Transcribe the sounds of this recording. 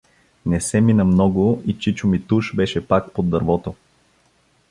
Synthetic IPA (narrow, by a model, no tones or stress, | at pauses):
nɛsɛminɐmnɔɡʊit͡ʃit͡ʃʊmit̪uʃbɛʃɛpakpod̪ːɐɾvɔt̪o